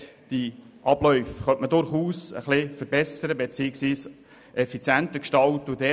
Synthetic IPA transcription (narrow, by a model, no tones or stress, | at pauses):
d̥i | ʔɑb̥lœʏfχœntmədʊɾχuːsə̰χlɪfəɾbɛsəɾəbet͡siːəksʋiːs | ʔɛfit͡sjænt̪əkʃtɑltudɛ